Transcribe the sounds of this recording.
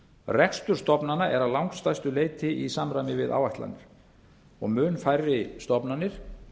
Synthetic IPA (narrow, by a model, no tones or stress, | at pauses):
rɛkst̪ʏɾ̥st̪ɔpnanaʔɛɾawlawŋkst̪ajst̪ʏleːjt̪ɪisamɾajmɪvɪða̰ːwvajht̪la̰nːɪɾ̥ | ɔɣmʏːnfajrɪst̪ɔpnanːɪɾ̥